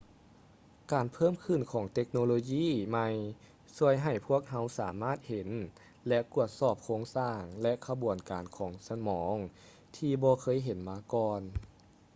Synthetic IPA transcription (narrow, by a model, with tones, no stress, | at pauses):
kaː˨˩npʰɤː˥˨mkʰɯ˧˩nkʰɔː˩˦ŋt̪e˧˥k̚noː˧loː˧jiː˧˥˨ma˧j | su˧˩əjɦa˨˩jpʰu˥˩ək̚ɦa˧˥wsaː˩˦maː˥˩t̪̚he˨˩˦n | lɛ˧ʔku˧˩ət̪̚sɔː˧˩p̚kʰoː˧˥˧ŋsaː˧˩ŋlɛ˧ʔkʰa˧bu˨˩ənkaː˨˩nkʰɔː˩˦ŋsa˧mɔː˩˦ŋ | t̪ʰiː˧bɔː˧kʰɤː˧˥˨jɦe˨˦nmaː˧kɔː˧n